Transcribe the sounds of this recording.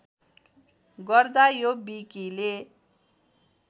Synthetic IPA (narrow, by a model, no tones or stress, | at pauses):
ɡʌrd̪ajobikile